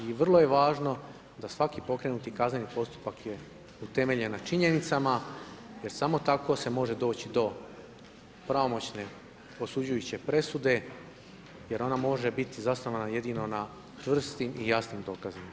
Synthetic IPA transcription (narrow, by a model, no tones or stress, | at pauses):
iʋr̩lˠo̞je̞ʋaːʒno̞ | d̪asʋakipo̞kɾe̞nut̪ikaznenipo̞st̪u̥pakje̞ | ut̪e̞me̞ʎe̞nat͡ʃiɲe̞nit̪samaje̞ɾsamo̞t̪ako̞se̞mo̞ʒe̞d̪o̞ːt͡ɕid̪o̞ | pɾaomo̞t͡ɕne̞ | o̞sud͡ʑujut͡ɕe̞pɾe̞sud̪e̞ | je̞ɾo̞namo̞ʒe̞bit̪izasnoʋanaje̞d̪ino̞na | t͡ʃr̩st̪imʔijasnimd̪o̞kazima